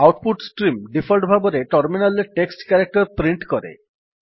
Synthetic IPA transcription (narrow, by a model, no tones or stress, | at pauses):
awʈ̚puʈsʈɾimɖifʰəlɖbʱaboɾeʈɔɾminaleʈeksʈkɛɾak̚ʈəɾpɾiɳʈkɔɾḛ